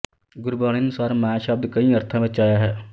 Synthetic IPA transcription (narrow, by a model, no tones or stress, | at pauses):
ɡʊɾbaːɽ̃inʊsaːɾmãːʃəb̚d̪kɐĩɐɾt̪ʰãmẽt͡ʃaːjaɦɛː